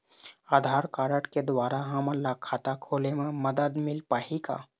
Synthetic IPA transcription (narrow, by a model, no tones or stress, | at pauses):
aːd̪ʱaːɾkaːɾəʈked̪waːɾaɦɐməlakʰːaːt̪akʰoːlemẽmɐd̪əd̪mɪlpaːɦika̰ː